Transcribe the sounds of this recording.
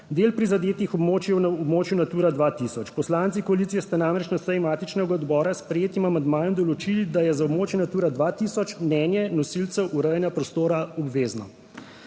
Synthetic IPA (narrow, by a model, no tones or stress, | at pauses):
d̪eːlpɾizad̪eːt̪ixɔbmoːt͡ʃjɛwnɔbmoːt͡ʃjunat̪uːɾad̪ʋat̪isɔt͡ʃpɔslaːnt̪sikɔalit̪sijɛst̪anamɾɛt͡ʃnasəjmaːt̪it͡ʃnɛɡaɔd̪bɔːɾaspɾɛjeːt̪imamand̪maːjɛmd̪ɔlɔt͡ʃilid̪ajɛzaɔbmoːt͡ʃjɛnat̪uːɾad̪ʋat̪isɔt͡ʃmnɛːnjɛnɔsilt̪sɛwʔuɾɛjɛnjapɾɔst̪oːɾaɔbʋeːznɔ